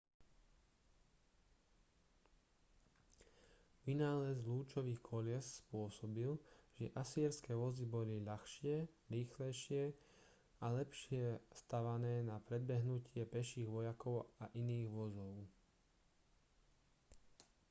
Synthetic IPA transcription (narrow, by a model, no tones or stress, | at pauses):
ʋinaːlɛzluːt͡ʃɔʋiːxkʰɔlɪɛsspʊɔsɔbilʒ̥ɛʔasiːɾskɛːʋɔzibɔliʎaxʃɪɛɾiːxlɛjʃɪɛ | alɛpʃɪɛst̪aʋanɛːnapɾɛd̪̚bɛɦnucɪɛpɛʃiːɣʋɔjakɔʊaʔiniːɣʋɔzɔʊ